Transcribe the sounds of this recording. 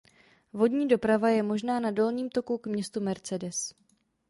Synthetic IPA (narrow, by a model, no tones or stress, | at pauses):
vo̞dɲiːdo̞pɾavajɛmo̞ʒnaːnado̞lɲiːmt̪o̞kukmɲɛst̪umɛɾt͡sɛdɛs